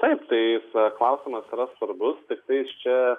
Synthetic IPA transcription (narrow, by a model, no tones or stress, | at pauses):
t̪ɐɪpt̪ɐɪɪsklˠɑʊsʲɪmɐsiɾɐsʋɐɾbʊst̪ʲɪk̚t̪ɐɪst͡ʃʲɛ